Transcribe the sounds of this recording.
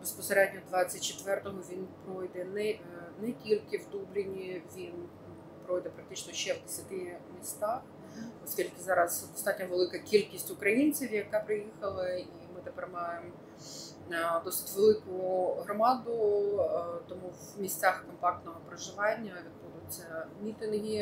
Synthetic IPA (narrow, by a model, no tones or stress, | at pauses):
bespɔseɾɛd̪̚ʲnʲɔd̪ʋɑt͡sʲːɐt̚ʲt͡ʃet̪ʋɛrt̪ɔɦɔʋʲinpɾɔjd̪ɛnɛ | nɛkʲilʲkɪwd̪ubɾʲɪnʲiʋʲin | pɾɔjd̪ɛpɾɐk̚t̪ɪt͡ʃnɔʃɛʋd̪esʲɐt̪ɪmʲist̪ɑx | ɔsʲkʲilʲkɪzɑɾɐzd̪ɔst̪ɑtʲnʲɔʋelˠɪkɐkʲilʲkʲisʲtʲʊkɾɐjinʲt͡sʲiwjɐkɑpɾɪjixɐlˠɐimɪt̪epɛrmɑjem | d̪ɔsɪ̥tʲʋelˠɪkʊɦɾɔmɑd̪ʊ | t̪ɔmuwmʲisʲt͡sʲaxkɔmpɑk̚t̪nɔɦɔpɾeʒɪʋɑnʲːɐʋʲid̪̚bud̪ʊt͡sʲːɐmʲit̪ɪnɦi